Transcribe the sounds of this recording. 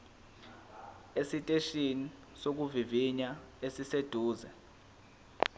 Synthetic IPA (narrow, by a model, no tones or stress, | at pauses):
esitʼeʃini | sok̬uviviɲa | esised̥ʱuːzɛ